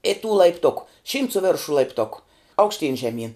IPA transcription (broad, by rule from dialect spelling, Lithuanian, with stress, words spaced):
ɪ tuː lˠɐɪpˈtʊkʊ ʃʲiːmt sʊ ˈʋʲɛrʃʊ lˠɐɪpˈtʊkʊ ɐʊkʃʲˈtʲiːn ʒʲɛˈmʲiːn